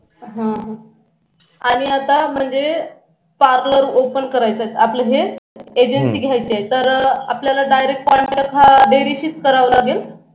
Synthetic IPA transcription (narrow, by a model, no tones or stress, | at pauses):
ɦãɦã | aɽ̃iat̪am̤əɳd͡ze | paɾləɾopənkəɾajt͡sat̪apləɦeed͡ʑənsiːɡʱjajt͡sajt̪əɾapljalaɖajɾek̚ʈ̚pɔ̃jɳʈapɦaɖeɾiɕiːt͡skəɾaʋlaɡel